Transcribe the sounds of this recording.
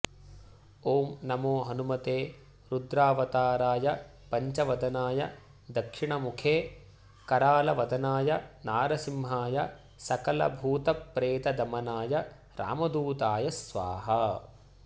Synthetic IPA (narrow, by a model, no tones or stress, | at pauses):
oːmnɐmoːɦɐnumɐt̪eː | ɾud̪ɾaːʋɐt̪aːɾaːjɐ | pɐɲt͡ʃɐʋɐd̪ɐnaːjɐ̰ | d̪ɐkʂiɳɐmukʰeː | kɐɾaːlɐʋɐd̪ɐnaːjɐnaːɾɐsimɦaːjɐ | sɐkɐlɐ̰bʱuːt̪ɐpːɾeːt̪ɐd̪ɐmɐnaːjɐ | ɾa̰ːmɐd̪uːt̪aːjɐsʋa̰ːɦɐ